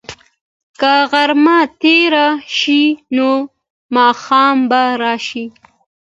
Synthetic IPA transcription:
kaɣaɾmat̪eɾaʃino | mɑːxɑːmbaɾɑʃi

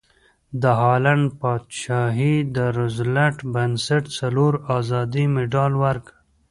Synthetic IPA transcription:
d̪əɦɑːlaɳɖpɑːd̪ʃɑːɦid̪əɾʊzlaʈbansaʈsaloɾɑzɑd̪imɪɖɑlwaɾk

